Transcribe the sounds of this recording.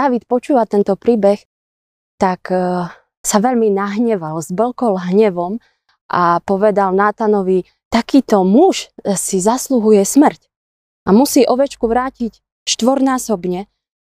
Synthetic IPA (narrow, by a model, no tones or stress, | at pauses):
aːʋit̪pɔt͡ʃuːʋat̪ɛnt̪ɔpɾiːbɛx | t̪ak | saʋɛʎminaɦɲɛʋalzblkɔlɦɲɛʋɔm | ʔapɔʋɛd̪alnat̪anɔʋi | t̪akiːt̪ɔmuʃsizasluɦujɛsmr̩c | ʔamusiːʔɔʋɛt͡ʃkuʋɾaːcic | ʃt̪ʋɔɾnaːsɔbɲɛ